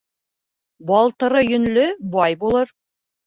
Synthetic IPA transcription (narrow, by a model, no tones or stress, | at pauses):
bɑlˠt̪ɤ̆ɾɤjɵ̆nlɵbɑjbulˠɤɾ